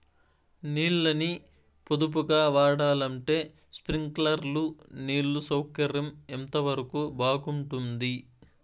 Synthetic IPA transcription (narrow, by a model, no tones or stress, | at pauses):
niːlːɐni | pod̪up̬uɡaːʋaːɽaːlɐɳʈe̞ː | spɾiŋklɐɾluniːɭːusɐwkɐɾɐment̪ɐʋɐɾɐkuːbaːɡuɳʈund̪i